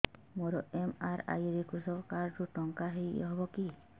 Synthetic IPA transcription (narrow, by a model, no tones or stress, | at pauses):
mɔɾɔemaɾa̰jɾikusɔkaɾɾuʈɔŋkaɦiɔ̰ɦɔbɔki